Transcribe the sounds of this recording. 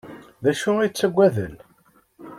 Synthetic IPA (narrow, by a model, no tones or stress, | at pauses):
ðæʃʊit͡sːəɡʷːæðə̰l